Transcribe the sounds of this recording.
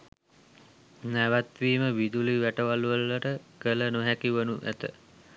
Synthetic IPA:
næʋat̪ʋiːməʋid̪uliʋæʈəʋaluʋəlːəʈəkələnoɦækiʋənuʔæ̰t̪ə̰

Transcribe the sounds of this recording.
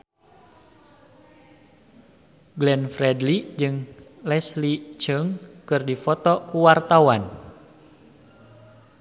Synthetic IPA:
ɡlɛnfrɛdlid͡ʒɨŋlɛslit͡ʃəŋkɨrdifɔt̪ɔkuwart̪awan

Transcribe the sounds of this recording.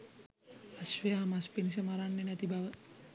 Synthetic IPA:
asʋejamaspenis̬əmaɾanːenæt̪ibaʋə

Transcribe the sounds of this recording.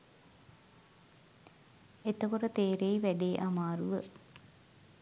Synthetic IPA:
et̪əkoʈət̪eːɾejiʋæɖeːʔamaːɾuʋə

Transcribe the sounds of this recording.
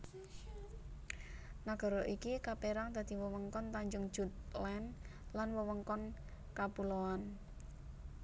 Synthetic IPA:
naɡ̥ɔ̤ɾɔʔikikapeɾaŋd̪̥a̤d̪̥i̤wəwəŋkɔnt̪aɲd͡ʒʊŋ̥ʒ̥ṳt̪̚lɛnlanwəwəŋkɔn | kapuloan

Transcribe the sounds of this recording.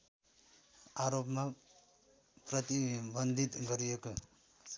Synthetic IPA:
aɾopma | prʌt̪ibʌnd̪ʱit̪ɡʌɾijeko

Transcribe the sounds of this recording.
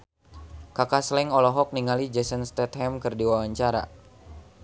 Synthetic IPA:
kakaslɛŋɔlɔɦɔk̚niŋalid͡ʒɛsənst̪ɛt̪hɛmkɨrdiwawaɲt͡ʃaɾa̰

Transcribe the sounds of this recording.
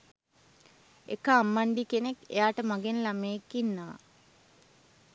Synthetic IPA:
ḛkəamːaɳɖikenekḛjaːʈəmaɡenlameːkːinːəʋa̰

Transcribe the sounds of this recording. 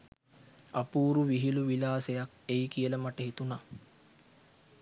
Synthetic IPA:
apuːɾuʋiɦiluʋilaːsejak̚ | ejkijələmaʈəɦet̪una

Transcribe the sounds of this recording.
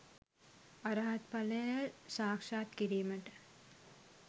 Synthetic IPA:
ɐɾaːɐt̪pɐlɐjɐsaːkʂaːt̪kiɾiːmɐʈ

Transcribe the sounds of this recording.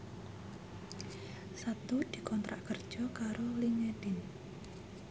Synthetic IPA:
sat̪ud̪̥i̤kɔnt̪ɾʔa̰ʔkərd̥ʒ̥ɔ̤kaɾoliŋed̥ɪn

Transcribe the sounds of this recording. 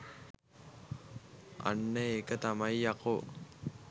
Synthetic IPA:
ɐ̰nːeːkət̪ɐmɐiɐko

